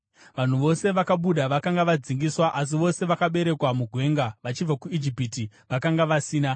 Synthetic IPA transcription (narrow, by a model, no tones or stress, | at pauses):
ʋan̤uʋo̞se̞ʋakaɓuɗaʋakaŋɡaʋad͡ziŋɡiswaʔas̬iʋo̞se̞ʋakaɓe̞ɾe̞kwamuɡʱwe̞ːŋɡaʋat͡ʃib͡vakuid͡ʒipiti | ʋakaŋɡaʋasiːna